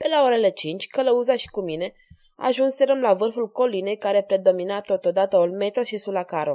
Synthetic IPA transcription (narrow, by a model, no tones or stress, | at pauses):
pelaoɾele̞t͡ʃint͡ʃʲkələuzaʃi̥kumine̞ | a̰ːʒunseɾəmlavɨrfulko̞line̞jkaɾe̞pɾe̞d̪o̞minat̪o̞t̪od̪at̪əolme̞t̪oʃisulakaɾo̞